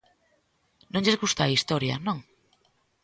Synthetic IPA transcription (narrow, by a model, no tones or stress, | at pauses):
nõŋʎezɣust̪aist̪oɾja̰nõŋ